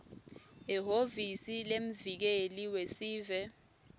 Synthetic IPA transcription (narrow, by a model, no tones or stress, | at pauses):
iɦovisilem̩vik̬eliwesiːvɛ